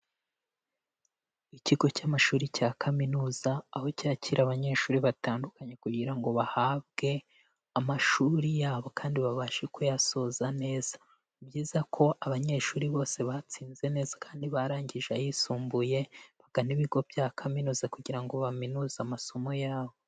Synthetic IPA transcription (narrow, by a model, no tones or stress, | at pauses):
iciɡo̞camaʃuːɾicaːkʰaminuːz̥aːho̞caciɾaβaɲe̞ʃuːɾiβataːndukaɲe̞kuɟiɾaŋɡo̞βahaːβ̚ɡ̥e̞ | amaʃuɾijaːβo̞kaːndiβaβaʃekojaso̞zane̞ːz̥ḁ | bɟiːzakʰo̞ʔaβaɲe̞ʃuːɾiβo̞ːse̞βat͡siːnze̞ne̞ːz̥ḁkaːndiβaɾaːɲɟiʒajisuːmbuje̞βaɡ̥aniβiɡo̞bjaːkʰaminuːzakuɟiɾaŋɡo̞βaminuːzamaso̞mo̞jaːβo